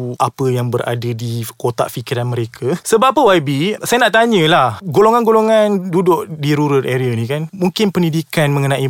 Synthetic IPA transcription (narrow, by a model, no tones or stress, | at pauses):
ʔapəjaŋbəɾa̰dədikot̪a̰ʔfikiɾanmə̃ɾekʰasəbapːəwabisajanaʔt̪aɲə̃lahɡoloŋanɡoloŋandudʊʔdiɾuɾʊt̪ʔeɾianĩkanmũŋkɪnpəndidikanməŋənãʔi